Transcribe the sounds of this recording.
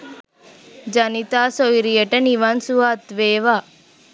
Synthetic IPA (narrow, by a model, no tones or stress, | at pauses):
d͡ʒɐnit̪aːsojɾijɐʈɐniʋɐnsuat̪ʋeːʋa